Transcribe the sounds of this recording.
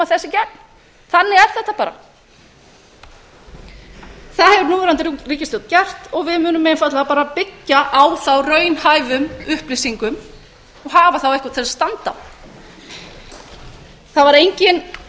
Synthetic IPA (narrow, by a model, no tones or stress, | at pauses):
aθɛsːɪcɛnn | θanːɪɣɛɾ̥θɛht̪ːapaːɾa̰ | θaðhɛvʏɾnuːɾant̪ɪriːcɪst̪œwt̪cɛr̥t̪ɔɣvɪðmʏːnʏmːɛɪnfat̪laapaːɾapɪcːaʔawθawrœːɥnhaːjvʏmʏhplisiŋkʏm | ɔɣɦaːvaθawɛhkat̪ʰɛsst̪ant̪a̰ | θavaɾejɲcɪn